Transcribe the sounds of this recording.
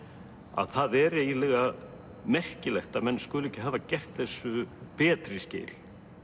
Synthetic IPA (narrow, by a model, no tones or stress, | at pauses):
a̰ðθaðɛɾɛjɪlɛɣa | mɛr̥cɪlɛxt̪amɛnːskɵːlɛhcːɪɦaːvacɛr̥t̪θɛsːʏpɛːt̪ɾɪscḛːjl